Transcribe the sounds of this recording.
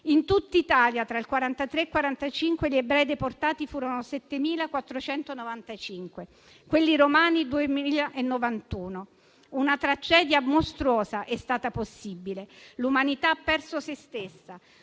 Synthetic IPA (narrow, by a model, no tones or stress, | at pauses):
int̪ut̪ːait̪aːljat̪ɾailkwaɾant̪at̪ɾeːkwaɾant̪at͡ʃiŋkweʎiebɾɛːjd̪eport̪aːt̪ifuːɾonosɛt̪ːemiːlakwat̪ːɾot͡ʃɛnt̪onovant̪at͡ʃiŋkwe | kwelːiɾomaːnid̪uemiiːlaʔenːovant̪uːno | unat̪ɾad͡ʒɛːd̪jamost̪ɾuɔːzaʔɛst̪aːt̪aposːibilelumanit̪apːɛrsosest̪esːa